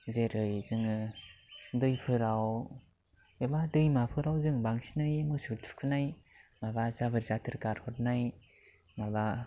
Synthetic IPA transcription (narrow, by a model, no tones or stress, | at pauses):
zeɾɯjzɯŋɯ | dɯjpʰɯɾaw | ebadɯjmapʰɯɾawzɯŋbaŋsinɯjmɯsɯtʰu̥kʰɯnajmabazabɯɾzatʰɯɾkaɾhɔt̚naj | maba